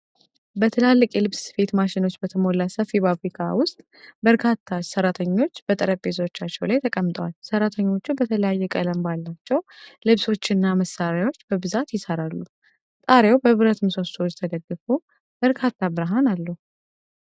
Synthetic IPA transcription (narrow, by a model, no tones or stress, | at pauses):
bət̪ʰɨlalːɨkʼjɛlɨβsfe̞t̪maʃɪno̞t͡ʃːbət̪ʰəmo̞lːasəfːibafɾikʰʼa̰wʊst̪ʼ | bəɾkʰat̪ʰːasəɾat̪ʰəɲːo̞t͡ʃːbət̪ʼɨɾəe̞t̪ʰo̞t͡ʃːat͡ʃːɛwlajt̪ʰəkʼəmːt̪ʼəwa̰lsəɾat̪ʰəɲːo̞t͡ʃːubət̪ʰələjajːɛkʼələmbalːat͡ʃːɛwlɨβso̞t͡ʃːɪnːaməsaɾajwo̞t͡ʃːbəbɨzat̪jɪsəɾalːu | t̪ʼaɾjewbəβɨɾət̪ʰɨmso̞st̪ʰod͡ʒt̪ʰəd̪əɡːɨfu | b̥əɾkʰat̪ʰːabɨɾɦanalːəhu